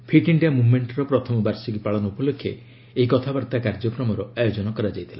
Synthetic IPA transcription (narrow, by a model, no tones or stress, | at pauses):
pʰiʈiɳɖiamumeɳʈɔɾɔpɾɔt̪ʰɔmɔbaɾsɔkipaɭɔnɔupɔlokʰːje | eikɔt̪ʰabaɾt̪akaɾd͡ʒɔkɾɔmɔɾɔajod͡ʒɔnɔkɔɾad͡ʒajt̪ʰila̰